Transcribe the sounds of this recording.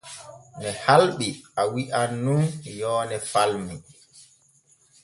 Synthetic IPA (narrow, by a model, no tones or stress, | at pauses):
mɛhalɓiawiʔanːunjɔːnɛfalmi